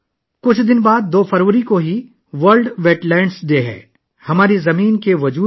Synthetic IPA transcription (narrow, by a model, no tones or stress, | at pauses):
kʊt͡ʃʰd̪ɪnbaːd̪̚ːoːfɐɾʋəɾikoɦi | ʋɐɾlɖʋeːʈlɛ̃ːɳɖsd̪eːɦɛ̰̃ː | hɐmaːɾizɐmiːnkeʋɐd͡ʒuː